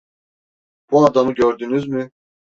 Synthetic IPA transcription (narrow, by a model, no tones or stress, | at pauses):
b̥uad̪amɯɟøɾd̪ynyzmɪ